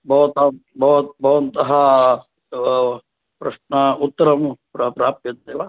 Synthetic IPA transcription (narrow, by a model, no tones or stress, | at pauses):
bʱɐʋɐt̪ɐbʱɐʋɐt̪bʱɐʋɐnt̪ɐɦɐ | pɾɐʂɳɐut̪ːɐɾɐmpɾɐpɾaːp̚t̪jɐt̪d̪eːʋa